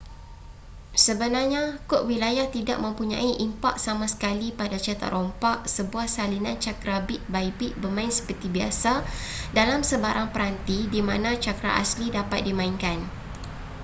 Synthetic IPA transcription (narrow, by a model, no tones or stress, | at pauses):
səbənarɲakɔʔwilajaht̪ida̰ʔ̚mə̃mpuɲã̰iʔimpaʔ̚samãsə̥kalipadat͡ʃat̪a̰ʔrɔmpaʔ̚səbuahsalinant͡ʃakɾabiʔ̚baibiʔ̚bərmãɪnsə̥pərt̪ibiasadalamsəbaɾaŋpəɾant̪idimãnãt͡ʃakɾa̰ʔa̰slidapat̪̚dimãiŋkan